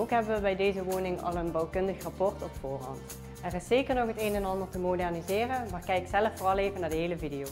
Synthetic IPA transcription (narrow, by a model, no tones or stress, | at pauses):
okɦɛbəʋəbɛjdejzəʋoːnɪŋɑ̰lˠənbɑwkɵndəxrɑpɔɹtɔpfʊːrɑ̰nt | ɛrɪseːkəɹnɔxɦətejnɛnɑndəɹtəmodɛrnizɪːrənmaːɹkɛjɪksɛləfːʊːrɑlˠeːvənaːɹdəɦejləvidijow